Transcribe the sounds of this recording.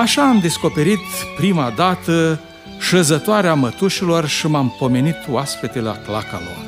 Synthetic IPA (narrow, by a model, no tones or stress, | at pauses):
aʃaːmd̪e̞sko̞pe̞ɾit̪pɾimad̪at̪ə | ʃəzət̪oaɾeamət̪uʃilo̞rʃimampo̞me̞nit̪oaspet̪elea̰klaka̰lo̞̰r